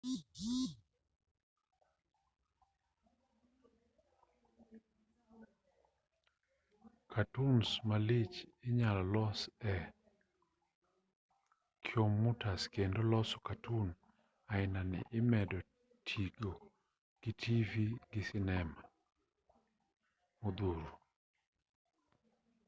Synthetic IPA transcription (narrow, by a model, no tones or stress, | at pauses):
kʰatunsmalɪt͡ʃɪɲalɔlɔsɛ | kʰjomːutaskendolɔsɔ̥katʰun | aɪnanɪ̰ʔɪmɛdɔ | tʰiɡo | ɡ̥ɪtʰiviɡɪsɪnɛma | mod̪uɾo